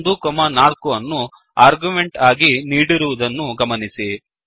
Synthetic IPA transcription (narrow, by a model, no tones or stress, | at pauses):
nd̪ukɔmɐnaːlkuʋɐnːu | aːɾɡumeɳʈaːɡiniːɽiɾuʋud̪ɐnːuɡɐmɐnisi